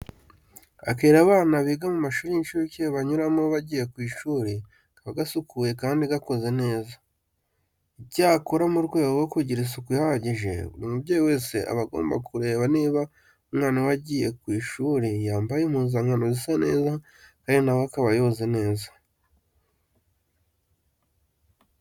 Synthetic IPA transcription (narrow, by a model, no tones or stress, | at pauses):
a̰keːɾaβaːnaβiːɡamumaʃuːɾijinʃuɾuceβaɲuɾamoβaɟiːje̞kwiːʃuːɾi | kaβaɡasukuje̞kaːndiɡako̞ze̞ne̞ːza | iɟaːkoɾamuɾɡweːɡoɡokuɟiɾis̬ukujaaɟiʒe̞̰βṵɾimubɟeːjiwe̞ːse̞ʔa̰βaɡo̞̰ːmba̰kuɾe̞ːβaneːβa | umŋaːnawaɟije̞kwiːʃuːɾijaːmbajem̥uzaŋanozisane̞ːza | kaːndinawoakaβajo̞ze̞ne̞ːzḁ